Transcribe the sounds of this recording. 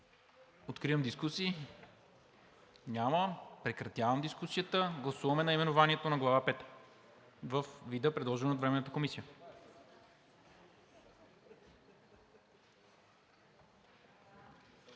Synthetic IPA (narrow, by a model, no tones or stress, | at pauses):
ot̪kɾiəmd̪iskusiː | ɲʲaməpɾɛkɾɐt̪javəmd̪iskusijət̪əɡlˠɐsuvɐmɛnɐimɛnovaniɛt̪onɐɡlˠavapɛt̪ | vəfvid̪əpɾɛd̪lˠɔʒɛnot̪vɾɛmɛnət̪əkomisijə